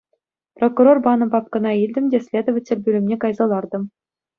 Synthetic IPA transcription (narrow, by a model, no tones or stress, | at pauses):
prokurorbɑnɤ̆pɑp̚kɤ̆nɑilʲdʲɘ̆mdʲesʲlʲed̪ŏʋʲɘ̆tʲːɘ̆lʲbʲylʲɘ̆mnʲekɑjzɑlˠɑrd̪ɤ̆m